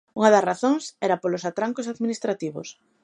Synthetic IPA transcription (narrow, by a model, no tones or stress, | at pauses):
uŋɐðɐsraθoŋsɛɾɐpolosat̪ɾaŋkos̬aðminist̪ɾat̪iβo̰s